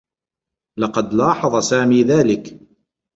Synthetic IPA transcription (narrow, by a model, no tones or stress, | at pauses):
lɑqɑd̪lɑːħɑðˤɑsaːmiːðaːlɪk